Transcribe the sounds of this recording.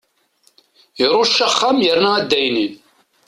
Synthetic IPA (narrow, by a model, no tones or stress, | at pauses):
iɾˤoʃːəχːamjəɾnææd̪ːæjnin